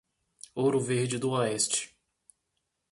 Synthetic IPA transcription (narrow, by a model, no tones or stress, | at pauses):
owɾʊveɾd͡ʒɪd̪ʊɔɛst͡ʃɪ̥